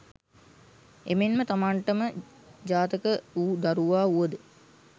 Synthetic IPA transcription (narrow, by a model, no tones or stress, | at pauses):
ḛmenmət̪amaɳʈəmə | d͡ʒaːt̪əkəuːd̪aɾuʋaːuʋəd̪ə